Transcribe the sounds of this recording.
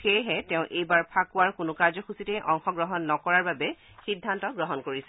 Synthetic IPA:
xejɦɛtɛʊ̃ʔejbaɹpʰakʊwaɹkʊnʊkaɹzɔxusitɛjʔɔŋxɔɡɹɔɦɔnːɔkɔɹaɹbabɛ | xidʱːantɔɡɹɔɦɔnkoɹisɛ̥

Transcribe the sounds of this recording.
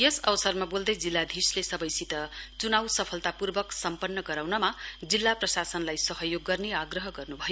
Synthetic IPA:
jʌsʌwʌsʌrmabold̪ʌjd͡zilːad̪ʱislesʌbʌjsit̪ʌt͡sunawsʌpʰʌlt̪apurbʌksʌmpʌnːʌɡʌɾawnʌmad͡zilːaprʌsasʌnlajsʌɦʌjoɡːʌrneaɡrʌɦʌɡʌrnubʱʌjo

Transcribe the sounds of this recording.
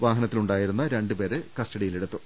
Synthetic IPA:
ʋaːɦɐnɐt̪ːiluɳɖaːjiɾunːɐɾe̞ɳɖupe̞ːɾɨkɐsʈɐɽijileɽut̪ːu

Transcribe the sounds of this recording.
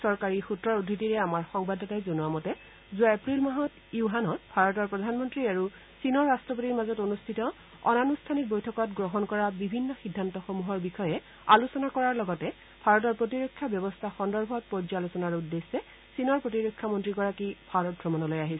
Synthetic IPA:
sɔɹkaɹixutɹɔɹudʱːitiɹɛamaɹxɔŋbadʱɔtajzonuamɔtɛ | zuaepɹilmaɦɔt | iʊɦanɔtbʱaɹɔtɔɹpɹɔdʱanmɔntɹiaɹu | sinɔɹːastɹɔpotiɹmazɔtonustʰitɔ | ɔ̰nanustʰanik̚bojtʰɔkɔtɡɹɔɦɔnkɔɹabibʱinːɔxidʱːantɔxomuɦɔɹbixɔjɛ | alusɔnakɔɹaɹlɔɡɔtɛ | bʱaɹɔtɔɹpɹotiɹokʰːjabjɔbɔstʰaxɔndɔɹbʱɔt̚pɔzalusɔnaɹudːesːɛ | sinɔɹpɹotiɹokʰːamɔntɹiɡɔɹakibʱaɹɔt̚bʱɹɔmɔnɔlojaɦisɛ

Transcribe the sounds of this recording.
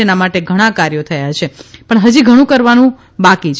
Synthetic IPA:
enamaʈeɡʱəɽ̃ãkaɾjot̪ʰəjat͡ʃʰepəɳɦəd͡ʒiɡʱəɽ̃ũkəɾʋanũ | bakit͡ʃʰ

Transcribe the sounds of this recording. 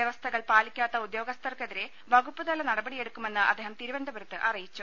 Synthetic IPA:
jeʋɐst̪ʰɐɣɐɭpaːlikʲːaːt̪ːɐud̪jo̞ːɡɐst̪ʰɐrkeðiɾe | bɐɣupːɨðɐlːɐnɐɽɐbɐɽije̞ɽukːume̞nːɨɐd̪ːeɦɐmt̪iɾuʋɐnd̪ʱɐbɐɾɐt̪ːɨʔɐrijit͡ɕːu

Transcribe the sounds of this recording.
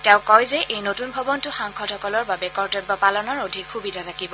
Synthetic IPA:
tɛʊ̃kɔjzɛʔejnotunbʱɔbɔntʊxaŋkʰɔthʰɔkɔlɔɹbabɛkɔɹtɔbɔpalɔnɔɹodʱikxubidʱatʰakibɔ

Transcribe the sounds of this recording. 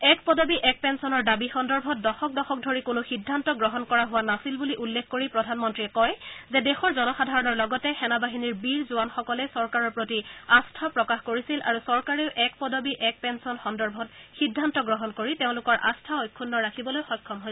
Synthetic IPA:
ɛkpɔdɔbiʔɛk̚pɛnsɔnɔɹdabixɔndɔɹbʱɔt̚dɔxɔk̚dɔxɔk̚dʱoɹikʊnʊxidʱːantɔɡɹɔɦɔnkɔɹaɦʊwanasilbuliʔulːekʰːkoɹipɹɔdʱanmɔntɹiɛkɔjzɛdexɔɹzɔnɔxadʱaɹɔnɔɹlɔɡɔtɛxɛnabaɦiniɹbiɹzʊanxɔkɔlɛsɔɹkaɹɔɹpɹotiastʰapɹɔkaxkoɹisilʔa̰ɹusɔɹkaɹiʊʔɛkpɔdɔbiʔɛk̚pɛnsɔnxɔndɔɹbʱɔtxidʱːantɔɡɹɔɦɔnkoɹiteʊ̃lʊkɔɹʔa̰stʰaojkʰːunːɔɹakʰibɔlojxɔjkʰːɔmɦoj

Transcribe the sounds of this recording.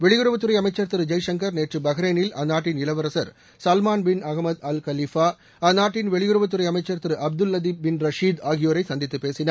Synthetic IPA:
ʋɛɭɪɣɯɾɯʋɐt̪ːɯɾɐɪjɐmɐɪt͡ʃːɐɾt̪ɯɾɯd͡ʒɐjʂɐŋkɐɾneːʈrɯbɐɣɐɾeːnɪlʔɐnːaːʈːɪnɪlɐʋɐɾɐsɐɾ | sɐlmaːnbɪnɐɣmɐd̪ɐlkɐlifaː | ɐnaːʈːɪnʋɛɭɪɣɯɾɯʋɐt̪ːɯɾɐɪjɐmɐɪt͡ʃːɐɾt̪ɯɾɯʔɐb̚d̪ɯlːɐd̪iːbɪnɾɐʂiːd̪aːɣɪjoːɾɐɪsɐnd̪ɪt̪ːɯpːeːsɪnɐɾ

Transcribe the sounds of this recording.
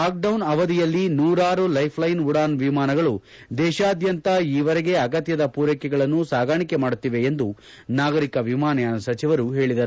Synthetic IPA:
aːk̚ɖɐwnɐʋɐd̪ijɐlːinuːɾaːɾulɐjpʰlɐjnuɽaːnʋimaːnɐɡɐɭu | d̪ɛːʃaːd̪jɐnt̪ɐiːʋɐɾɛɡe̞ɐɡɐt̪jɐd̪ɐpuːɾɐkɛɡɐɭɐnːusaːɡaːɳikemaːɽut̪ːiʋe̞ːnd̪u | naːɡɐɾikɐʋimaːnɐjaːnsɐt͡ʃiʋɐɾuɦe̞ːɭid̪ɐɾu

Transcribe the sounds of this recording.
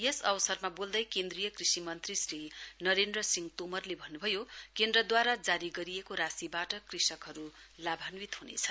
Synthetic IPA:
jesʌwsʌrmabold̪ʌjkend̪rijʌkrisimʌnt̪risrinʌɾend̪rʌsiŋt̪omʌrlebʱʌnːubʱʌjokend̪rʌd̪waɾad͡zaɾiɡʌɾijekoɾasibaʈʌkrisʌkɦʌɾulabʱanwit̪ɦunḛt͡sʰʌ

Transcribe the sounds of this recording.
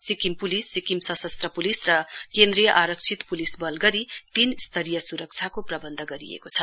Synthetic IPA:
sikimpulisːikimsʌsʌst̪rʌpulisrʌkend̪ɾijʌʔaɾʌk̚t͡sʰit̪pulisbʌlɡʌɾit̪inst̪ʰʌɾijʌsuɾʌk̚t͡sʰjakoprʌbʌnd̪ʱʌɡʌɾḭḛkot͡sʰʌ

